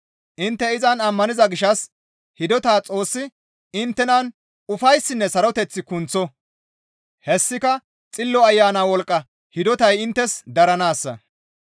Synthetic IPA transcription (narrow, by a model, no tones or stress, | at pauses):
ʔɪnt̪ːɛɪzɐnɐmːɐnɪzɐɡɪʃɐs | hɪd̪ɔt̪aːt͡sʼo̞ːsːɪ | ɪnt̪ːɛnɐn | ʊfɐjsːɪnːɛsɐɾɔt̪ɛt͡sːɪkʊnt͡sːɔ | hɛsːɪkɐ | t͡sʼɪlːɔɐjːaːnaːwɔlkʼːɐ | hɪd̪ɔt̪ɐjɪnt̪ːɛsd̪ɐɾɐnaːsːɐ̰